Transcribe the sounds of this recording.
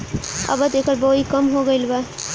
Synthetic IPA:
ə̰bət̪ekəɾbəɦikəmɦoɡəɪlba

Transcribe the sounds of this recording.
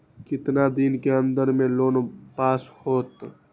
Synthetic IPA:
kɪt̪nad̪inkeənd̪əɾmẽloːnpaːshoːt̪

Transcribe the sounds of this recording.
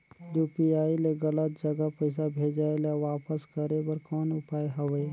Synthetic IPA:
juːpiaːileɡələt̪̚d͡ʒəɡapəɪsabʱeːd͡ʒaːelaʋaːpəskɐɾebɐɾkɔːnʊpaːeɦɐʋeː

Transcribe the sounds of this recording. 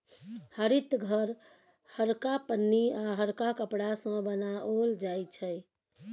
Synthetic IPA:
həɾit̪ɡʱəɾ | həɾkapənːiaɦəɾkakəpɽasə̃bənaʔold͡ʒajt͡ʃʰəj

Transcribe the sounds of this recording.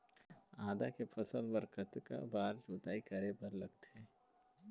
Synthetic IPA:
aːd̪akepʰɐsəlbəɾkət̪ka̰baːɾd͡ʒoːt̪aːikɐɾepɐɾlɐɡt̪ɛː

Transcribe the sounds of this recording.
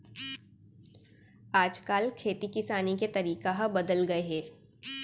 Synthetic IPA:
aːd͡ʒkaːlkʰeːt̪ikɪsaːniket̪ɐɾiːkaɦabɐd̪əlɡɐeɦɛː

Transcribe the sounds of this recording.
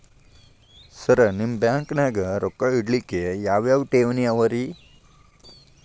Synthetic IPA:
sɐɾɐnimbjaːŋknaːɡɐɾɔkːaiɽlikːejaːʋjaːʋʈeːʋniɐʋɐɾi

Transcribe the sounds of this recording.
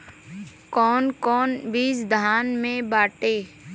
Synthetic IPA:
kɔːnkɔːnbiːsd̪ʱaːnmẽbaːʈeː

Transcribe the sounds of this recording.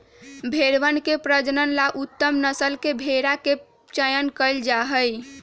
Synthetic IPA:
bʱeɾʋənkepɾəd͡ʒnənlaʔut̪ːəmnəsəlkebʱeɾake | t͡ʃəjənkəld͡ʒaɦəj

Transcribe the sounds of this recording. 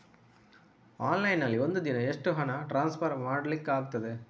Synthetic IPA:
aːnlɐjnːɐlːiond̪ud̪inɐeʂʈɯɦɐnɐʈɾaːnspɐɾmaːɽɐlikːaːɡut̪ːɐd̪e

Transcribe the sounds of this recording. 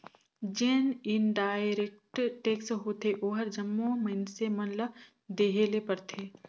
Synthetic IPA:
d͡ʒeːnɪnɖaːɪɾek̚ʈʈeːksɦot̪ʰeʔoːɦəɾd͡ʒɐmːõməɪnsemɐnlə | d̪eːɦelepɐɾt̪ʰeː

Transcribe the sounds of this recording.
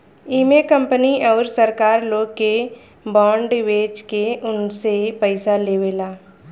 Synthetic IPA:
iːmekə̃mpəniɔːɾsəɾkaːɾloːɡke | bɔ̃ːɳɖweːd͡ʒkeʔʊnsepəɪsaleːʋeːlaː

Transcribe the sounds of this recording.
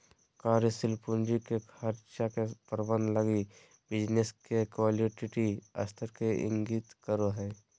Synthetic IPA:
kaːɾjəsɪlpund͡ʒikekɐɾʃakepəɾbənləɡi | bɪd͡ʒneskekaːliʈiʈiɐ̰st̪ʰəɾkeʔɪ̰̃ŋɡit̪kəɾoɦɛː

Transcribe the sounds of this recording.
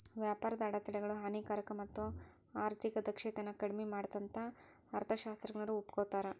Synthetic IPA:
ʋjaːpaːɾɐd̪ɐːɽɐt̪ɛɽɛɡɐɭuɦaːniːkaːɾɐkɐmɐt̪ːuaːɾt̪ʰikɐd̪ɐkʂɛːt̪ɐnːɐkɐɽmemaːɽt̪ɐnt̪ʰɐɐɾt̪ʰɐʃaːst̪ɾɐɡɐɳɐɾuupkoːt̪aːɾe

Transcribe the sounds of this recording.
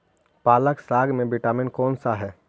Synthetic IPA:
paːləksaːɡmẽbɪʈaːmɪnkɔːnsaɦɛː

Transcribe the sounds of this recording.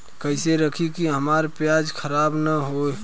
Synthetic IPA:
kəɪseɾəkʰikiɦəmaɾpjad͡ʒkʰəɾaːbnəɦoe

